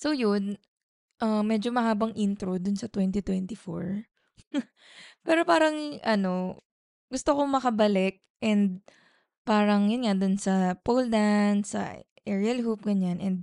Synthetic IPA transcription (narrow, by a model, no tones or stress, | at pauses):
sowjʊn | ʔɐmɛd͡ʒomɐɦaːbɐŋʔint̪ɾod̪ʊnsɐt̪wɛnt̪it̪wɛnt̪ɪfo̰ɹ | pɛːɾo̞paːɾɐŋʔɐno̞ | ɡʊst̪okomɐkɐbɐlɛk̚ʔɛnd̪̚ | paːɾɐŋjʊnŋad̪ʊnsɐpowld̪ansɐ̰ | ʔɛɹiɐlhup̚ɡɐɲanʔɛnd̪̚